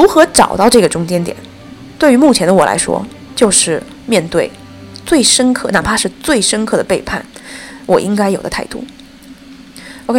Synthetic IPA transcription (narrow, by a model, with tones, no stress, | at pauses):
ɻu˧˥xɤ˧˥ʈ͡ʂɑ˨˩ʊt̪ɑ˥˧ʊʈ͡ʂɤ˥˩ɡə˩ʈ͡ʂʊ˥ŋt͡ɕjɛ˥nt̪jɛ̰˨˩˦n | t̪we˥˩ɪy˧˥mu˥˩t͡ɕʰjɛ˧˥nd̪ə˧wɔ˨˩lʔa̰˧˥ɪʂwɔ̰˥ | t͡ɕjo˥˧ʊʂɻ̩˥˩ | mjɛ˥˧nt̪we˥˩ɪ | t͡swe˥˩ɪʂə˥nkʰɤ˥˩na˥˩pʰa˥ʂɻ̩˥˧t͡swe˥˩ɪʂə˥nkʰɤ˥˩d̪ə˩pe˥˧ɪpʰa̰˥˩nwʔɔ˨˩ʔi˥ŋka˥ɪjo˨˩ʊd̪ə˦t̪ʰa˥˧ɪt̪ṵ˥˩ | o˧ʊkʰe˥